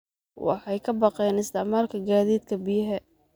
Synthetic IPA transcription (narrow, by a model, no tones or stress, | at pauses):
wɑ̰ħɑjkʰɐbɑqɛjnɪst̪ʰɛʕmaːlkʰɐɡaːðiːd̪̚kʰɐbɪjɐɦɛ